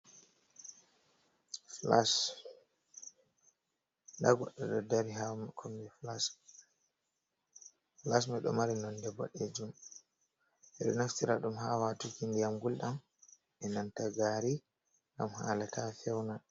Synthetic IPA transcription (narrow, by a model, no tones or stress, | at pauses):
flas | ndaɡɔ̰ɗɔɗɔdaɾiɦamkʰɔmbɛflas | flasmɛɗɔ̰maɾɛnɔndɛbɔ̰ɗed͡ʒum | ɛɗɔnaftiɾaɗumɦawatukindijamɡulɗam | ɛnantaɡaːɾi | ŋɡa̰mha̰latʰafɛwna